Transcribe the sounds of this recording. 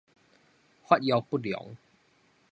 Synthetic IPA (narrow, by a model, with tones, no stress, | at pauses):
hwa˦˥t̪̚ja˧wpu˥˩jɔ̰˨˦ŋ